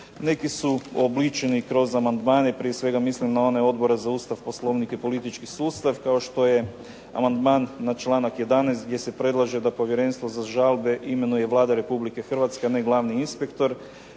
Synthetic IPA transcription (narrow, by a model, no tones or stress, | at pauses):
ne̞kisuoblit͡ʃenikɾo̞zamand̪maːneipɾijesʋe̞ɡamislimnao̞neo̞d̪bo̞ɾezauːst̪aʋpo̞slˠo̞ʋnikepo̞lit̪it͡ʃkisuːst̪aʋkao̞ʃt̪o̞je̞ | a̰mand̪maːnːat͡ʃlˠaːnakje̞d̪anɛːst̪ɡ̚d̪ʲje̞se̞pɾe̞d̪lˠaʒe̞d̪apo̞ʋje̞ɾe̞nst̪ʋozaʒalˠbe̞ʔime̞nuje̞ʋlˠaːd̪aɾe̞publike̞xr̩ʋat̪skeaneɡlˠaʋniinspe̞kt̪o̞ɾ